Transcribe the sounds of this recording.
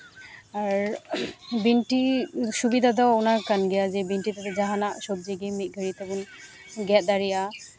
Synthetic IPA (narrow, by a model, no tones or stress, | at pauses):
aɾ | binʈisubid̪ʱad̪ɔanakanɡɛjazɛbinʈit̪at̪ɛd͡ʒaɦanaʔsɔb̚d͡ʒiɡimit̪̚ˀɡʱəɾit̪abun | ɡɛt̪̚d̪aɾɛja